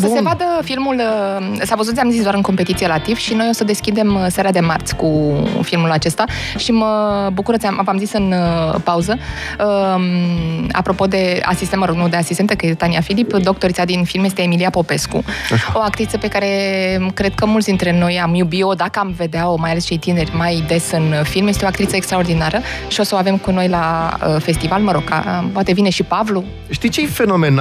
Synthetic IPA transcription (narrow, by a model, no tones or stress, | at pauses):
səsevad̪əfilmulsavəzut̪sʲiamzisd̪aɾɨŋko̞mpe̞t̪it̪sielat̪iv̥ʃino̞jo̞səd̪e̞skʲid̪e̞mseɾad̪e̞mart̪sʲkufilmulat͡ʃe̞st̪aʃiməbukuɾət̪iamvamzisɨnpauzə | əma̰pɾo̞po̞d̪e̞a̰sist̪eməɾoɡ̪nud̪e̞asist̪et̪əkəjet̪et̪aniafilipd̪o̞k̚t̪o̞ɾisad̪infilmje̞st̪e̞ːmiliapo̞pe̞skṵo̞ak̚t̪ɾit̪səpe̞kaɾe̞kɾe̞d̪̚kəmult̪sd̪int̪ɾe̞no̞jamjubio̞d̪akəamve̞d̪eaomajale̞st͡ʃe̞jt̪ine̞rʲmajd̪e̞sɨnfilmjest̪eoak̚t̪ɾit̪səekst̪ɾao̞rd̪inaɾəʃio̞səoave̞mkuno̞jlaə̰fe̞st̪ivalməɾo̞ka̰əpwat̪e̞vine̞ʃipavlu | ʃt̪it͡ʃefe̞no̞men